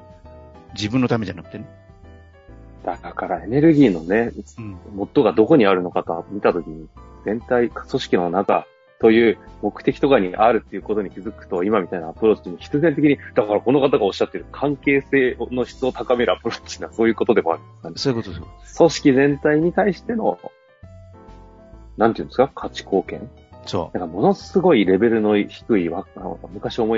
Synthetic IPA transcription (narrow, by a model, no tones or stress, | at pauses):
d͡ʑibɯ̟̃not̪amed͡ʑanakɯ̥t̪ene | d̪̥akakaɾae̞ne̞ɾɯ̟ɡʲiːno̞ne̞mo̞t̪ːo̞ɡad̪o̞ko̞ɲ̟iaɾɯ̟no̞kat̪omʲit̪at̪o̞kʲiɲ̟izẽ̞nt̪aikso̞ɕi̥kʲino̞naka̰ | t̪o̞jɯ̟ːmo̞kɯ̟̥t̪e̞kʲi̥t̪o̞kaɲ̟iʔaɾɯ̟t̪ːe̞iɯ̟ːko̞t̪o̞ɲ̟ikʲizɨkɯ̟̥t̪o̞imamʲit̪ainaːpɯ̟ɾo̞ːt͡ɕiɲ̟içi̥t͡sɨzẽ̞nt̪e̞kʲiɲ̟id̪̥akaɾako̞no̞kat̪aɡao̞ɕːat̪ːe̞ɾɯkʰãŋke̞ːse̞ːono̞çi̥t͡sɨo̞t̪akame̞ɾɯ̟apɯ̟ɾo̞t͡ɕinːaso̞ːjɯ̟ːko̞t̪o̞d̪e̞moa̰ɾɯnd̪skaneot̪oso̞ɕi̥kʲizẽ̞nt̪aiɲ̟it̪aiɕi̥t̪e̞no̞̰ | nãnt̪eiɯ̟nd̪eskakʰat͡ɕi̥ko̞ːkẽ̞ŋ | onakamo̞no̞sɨɡo̞iɾe̞be̞ɾɯ̟no̞çi̥kɯ̟iβaano̰mɯ̟kaɕio̞mo̞